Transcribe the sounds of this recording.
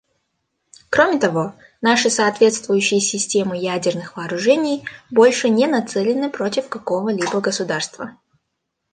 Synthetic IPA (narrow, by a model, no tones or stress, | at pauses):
kɾo̞mʲɪt̪ɐvo̞ | naʂɨsɐːt̪vʲe̞t̪st̪vʊjʉɕːɪjəsʲɪsʲtʲe̞mɨjædʲɪrnɨxvɐːɾʊʐɛnʲɪjbo̞lʲʂɨnʲenɐt̪sɛlʲɪnɨpɾo̞tʲɪfkɐko̞vəlʲibəɡəsʊd̪arst̪və